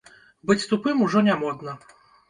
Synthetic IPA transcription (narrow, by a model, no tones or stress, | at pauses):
bɨt͡sʲst̪upɨmuʐɔnʲamɔd̪nɐ